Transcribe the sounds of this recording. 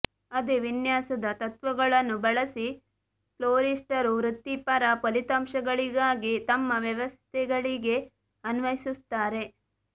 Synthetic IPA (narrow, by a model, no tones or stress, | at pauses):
ɐd̪eʋinjaːsɐd̪ɐt̪ɐt̪ʋɐɡɐɭɐnːubɐɭɐsi | ploːɾisʈɐɾuʋɾut̪ːipɐɾɐpolit̪ɐmʃɐɡɐɭiɡaːɡit̪ɐmːɐʋjɐʋɐst̪ʰɛɡɐɭiɡe̞ | ɐnʋɐjisust̪aːɾe̞